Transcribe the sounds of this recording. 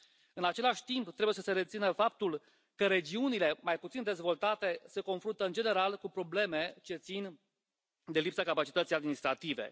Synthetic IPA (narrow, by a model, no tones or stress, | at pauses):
ɨnat͡ʃe̞laʃʲt̪impt̪ɾebujesəse̞ɾe̞t̪sinəfap̚t̪ul | kəɾe̞d͡ʒiunile̞majput̪sind̪e̞zvo̞lt̪at̪e̞se̞ko̞nfɾunt̪əɨnd͡ʒene̞ɾalkupɾo̞ble̞me̞t͡ʃe̞t̪sin | d̪e̞lipsakapat͡ʃit̪ət̪sijad̪minist̪ɾat̪ive̞̰